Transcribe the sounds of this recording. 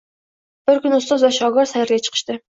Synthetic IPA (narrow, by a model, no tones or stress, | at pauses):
b̥ɪɾkʲynɨust̪ɑzvɛʃɑːɡɑɾsɛhɪɾɡʲɛt͡ʃʰə̥qʰə̥ʃt̪ɨ